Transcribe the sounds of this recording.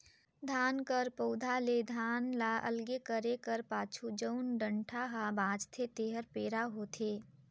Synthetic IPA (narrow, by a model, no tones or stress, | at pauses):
d̪ʱaːnkəɾpəʊd̪ʱaled̪ʱaːnlaʔə̰lɡekəɾekəɾpaːt͡ʃʰud͡ʒəʊnɖə̃ɳʈʰaɦabãːd͡ʒt̪ʰet̪eːɦəɾpeːɾaɦot̪ʰeː